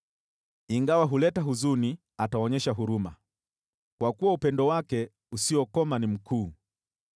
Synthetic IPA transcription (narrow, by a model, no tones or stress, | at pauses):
iŋɡawaɦulɛtaɦuzuni | ataɔɲɛʃaɦuɾuma | kwakuwaupɛndɔwakɛ | usiɔkɔmanim̩kʰuː